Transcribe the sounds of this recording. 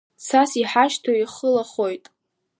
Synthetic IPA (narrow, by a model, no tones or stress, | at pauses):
sʰasiħaʃtʰoiχəlaχojtʼ